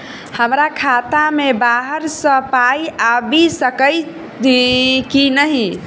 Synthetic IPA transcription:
həmɾakʰat̪amebaɦəɾsə̃pajabisəkəj | kinəɦi

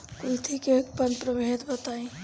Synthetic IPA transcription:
koit̪ʰikekpənpɾəbʱet̪bət̪aĩ

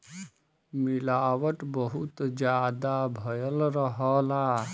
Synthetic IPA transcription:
milaːʋəʈbəɦut̪d͡ʒjaːd̪abʱəjəlɾəɦɔːla

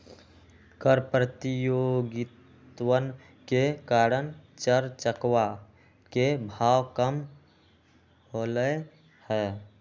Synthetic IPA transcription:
kəɾpɾət̪ijoɡɪt̪ | wən | kekaɾənt͡ʃəɾt͡ʃəkwa | kebʱaːwkəm | ɦolə | hɛː

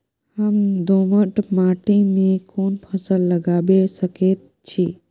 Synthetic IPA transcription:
həmd̪oməʈmaʈimẽkoːnpʰəsəlːəɡaːbesəket̪̚ | t͡ʃʰi

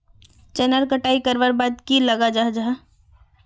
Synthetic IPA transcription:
t͡ʃənəɾkəʈaːikəɾʋəɾbad̪kiləɡad͡ʒaɦd͡ʒaɦ

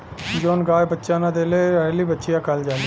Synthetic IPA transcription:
d͡ʒoːnɡaːebətːʃãːnãːd̪eːleːɾəliːbətːʃɪjãːkəld͡ʒaː

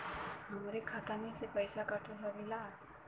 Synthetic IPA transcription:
ɦəmɾekʰat̪anisepəjsakaʈʰulaʋila

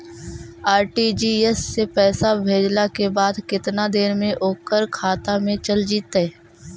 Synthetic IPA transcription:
aːɾʈid͡ʒiːesːepɛːsabʱeːd͡ʒlakebaːd̪kɪt̪nad̪eːɾmẽʔoːkːəɾkʰaːt̪amẽt͡ʃəld͡ʒiːt̪ɛː

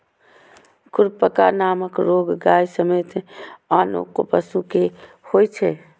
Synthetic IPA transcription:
kuɾpəka̰naməkɾoɡɡajsəmet̪ano̰kopəsuke | hojt͡ʃʰɛ

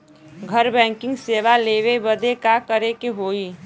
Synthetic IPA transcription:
ɡʱəɾbɛ̃ːŋkɪ̃ŋɡseːʋaleʋebəd̪ekakəɾekeɦoːi

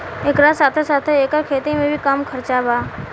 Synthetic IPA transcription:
ekɾasaːt̪ʰesaːt̪ʰeeːkəkʰeːt̪imẽbʱikamkʰɐɾt͡ʃabaː

